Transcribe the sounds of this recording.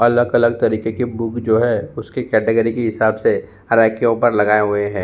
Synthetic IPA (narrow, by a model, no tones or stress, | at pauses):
ɐləɡɐləɡ̚t̪ɐɾiːkekebʊkd͡ʒoːɦɛʊskekɛːʈeɡəɾikeɦɪsaːbse | ɾɛːkeoːpəɾlɐɡaːeɦʊeɦɛ̃ː